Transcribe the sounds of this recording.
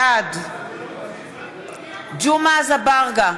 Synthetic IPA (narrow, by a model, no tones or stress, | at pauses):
ad | d͡ʒumazabaʁɡa